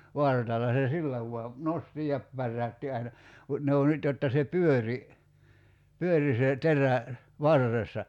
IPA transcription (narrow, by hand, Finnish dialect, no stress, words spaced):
ʋɑrtɑlːɑ se silːæ ʋuɑ nosti jɑ pærːæytːi ɑinɑ mut ne o nyt jotːɑ se pyøri pyøri se teræ ʋɑrːesːɑ